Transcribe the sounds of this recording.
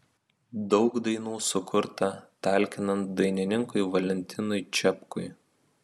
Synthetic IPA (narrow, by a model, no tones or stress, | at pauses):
d̪ɒʊkd̪ɐɪnuːsʊkʰʊɾt̪ɐt̪ɑˑlʲˑkʲɪnɐnt̪̚d̪ɐɪnʲɪnʲɪŋkʊɪʋɐlʲɛnʲt̪ʲɪnʊɪt͡ʃʲɛpkʊɪ